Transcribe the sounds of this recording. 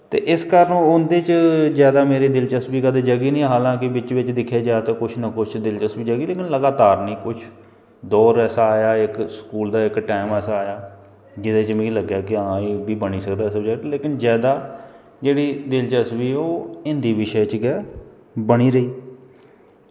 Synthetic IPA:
t̪ḛːʔɪskəɾənːʊnd̪eːt͡ʃzjaːd̪aːmeːɾiːd̪ɪlt͡ʃəsbiːkəd̪ed͡ʒəɡiːnĩːɦaːlãːk̬ɪbɪt͡ʃʋɪt͡ʃd̪ɪkʰːaːd͡ʒaːt̪aːkʊt͡ʃʰnakʊt͡ʃʰt͡ʃd̪ɪlt͡ʃəsbiːd͡ʒəɡiːleːkɪnləɡaːt̪aːɾnĩːkʊt͡ʃʰ | d̪ɔːɾɛːsaːjaːɪkskuːld̪aːɪkʈɛːmɛːsaːjaː | d͡ʒɪd̪eːt͡ʃmẽləɡjaːkɪãːeːbiːbəniːsəkd̪aːɪsəbd͡ʒɛleːkɪnzjaːd̪aː | d͡ʒeːɽiːd̪ɪlt͡ʃəsbiːoːɪnd̪iːʋɪʃət͡ʃɡɛː | bəɽ̃iːɾəiː

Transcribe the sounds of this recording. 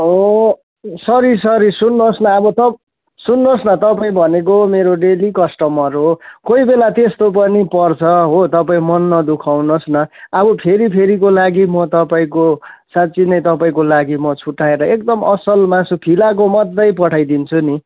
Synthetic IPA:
ɦo | sʌɾisʌɾisunːosnʌʌbʌt̪ʌ | sunːosnʌt̪ʌpaĩbʱʌnek̬omeɾoɖelikʌsʈʌmʌɾukoibelat̪est̪op̬ʌnipʌrt͡sʰʌɦot̪ʌpaĩmʌnːʌd̪ukʰawnosnʌːbʌpʰeɾipʰeɾikolaɡimʌt̪ʌpaĩkosat̪ːt͡sinʌjt̪ʌpaĩkolaɡimʌt͡sʰuʈːaeɾʌekd̪ʌmʌsʌlmasupʰilak̬omʌd̪ːʌjpʌʈʰajd̪int͡sʰuni

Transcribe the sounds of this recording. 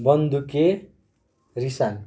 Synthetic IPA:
bʌnd̪uke | risan

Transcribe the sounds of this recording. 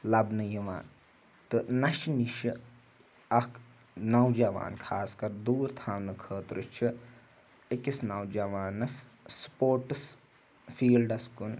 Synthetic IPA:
lɐbnɨjiʋa̰ːn | t̪ɨnɐʃniʃɨ | ɐkʰ | nɐwd͡ʒɐʋa̰ːnkʰaːskɐɾd̪uːɾt̪ʰaːmnɨkʰəːt̪ɾɨt͡ʃʰi | ekisnɐwd͡ʒɐʋaːnɐsː | poːɾʈɨs | fiːlɖɐskun

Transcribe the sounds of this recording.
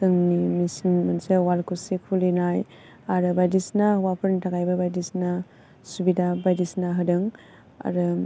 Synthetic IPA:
tɯŋnimisinmansewalkʰusikʰulinaj | aɾɯbajdisnawapʰɯɾntaɡajbabajdisna | subidabajdisnaɦɯdɯŋ | a̰ɾɯ

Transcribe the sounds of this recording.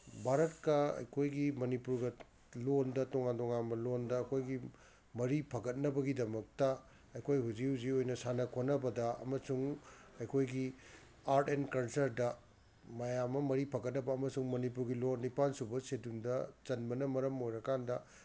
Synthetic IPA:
bʱaɾɐt̚kɐɐ̰jkʰojɡimɐnipuɾɡɐ | londɐtoŋantoŋanmɐlondɐːkʰojɡi | mɐɾipʰɐɡɐt̚nɐbɐɡidɐmɐk̚tɐ | ɐjkʰojɦuziuziojnɐsanɐkʰonɐbɐdɐɐ̰mɐsuŋɐjkʰojɡi | aɾtenkɐnsɐɾdɐ | mɐjamːɐmɐɾipʰɐɡɐt̚nɐbɐːmɐsuŋmɐnip̬uɾɡilonnːipansubɐsedundɐt͡ʃɐnbɐnɐmɐɾɐmojɾɐkandɐ

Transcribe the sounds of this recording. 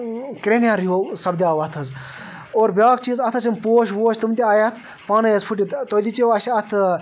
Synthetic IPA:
kɾenjaɾjoːsɐbd̪ʲaːʋɐt̪ʰɐz | oːɾbʲaːkt͡ʃizɐt̪ʰɐsʰimpoːʃʋoːʃt̪umt̪ʲiaːjɐt̪ʰ | pɐːnɐjɐzpʰuʈʲit̪t̪od̪it͡ʃiʋɐʃɐt̪ʰ

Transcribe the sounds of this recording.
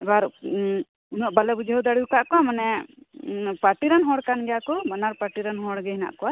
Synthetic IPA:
ɛbaɾ | unɔʔbalɛbud͡ʒʱəwd̪aɽiwkaʔkɔamanɛ | paʈiɾanɦɔ̃ɽkanɡɛjakɔbanaɾpaʈiɾanɦɔ̃ɽɡɛɦina̰ʔkɔwa

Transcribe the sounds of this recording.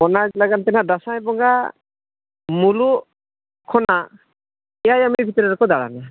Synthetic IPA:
ɔnad͡ʒlaɡant̪ɛnadasajbɔŋɡa | mulu | kʰɔna | ɛjajamibʱit̪ɔɾɛɾkɔd̪aɽa̰na

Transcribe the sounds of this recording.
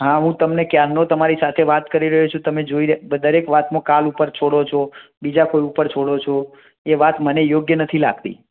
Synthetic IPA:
ɦãɦũt̪əmnekjaɾnot̪əmaɾisat̪ʰeʋat̪kəɾiɾəɦut͡ʃʰũt̪əmed͡ʒoiɾbəd̪əɾekʋat̪mõkalupəɾt͡ʃʰoɽot͡ʃʰo | bid͡ʒakoiupəɾt͡ʃʰoɽot͡ʃʰo | eʋat̪mənejoɡjənət̪ʰila̰ɡt̪ḭ

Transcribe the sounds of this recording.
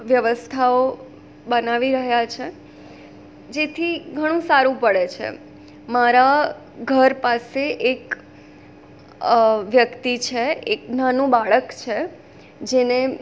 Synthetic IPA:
ʋjəʋəst̪ʰao | bənaʋiɾəɦjat͡ʃʰe | d͡ʒet̪ʰiɡʱəɽ̃ũsaɾũpəɭet͡ʃʰḛ | maɾa | ɡʱəɾpaseʔek | ʋjəkt̪it͡ʃʰeeknanũbaɭəkt͡ʃʰe | d͡ʒene

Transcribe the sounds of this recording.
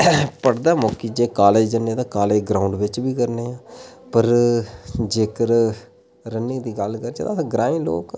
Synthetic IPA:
pəɽd̪aːmokiːd͡ʒeːkaːleːd͡ʒənːẽːt̪ãːkaːleːɡɾaːʊɳɖʋɪt͡ʃbiːkəɾneːãː | pəɾ | d͡ʒeːkəɾ | ɾənːĩːd̪iːɡəlkəɾd͡ʒed̪aɡɾãːĩːlo̰ːk

